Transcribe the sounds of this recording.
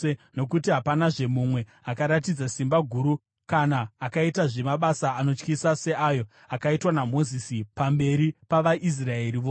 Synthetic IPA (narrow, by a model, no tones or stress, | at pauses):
no̞kutiɦapanaʐe̞mumwe̞ | akaɾatid͡zasimbaɡʱuɾu | kanaːkaitaʐe̞maɓasaːno̞t͡ʃkisase̞ʔajo̞ | akaitwanamo̞zisipambe̞ɾipaʋaʔis̬raeriʋoː